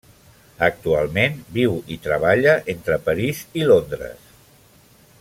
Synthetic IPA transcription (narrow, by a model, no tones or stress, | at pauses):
ək̚t̪ua̰lˠmenbiwit̪ɾəβ̞aʎəʔent̪ɾəpəɾizilond̪ɾə̰s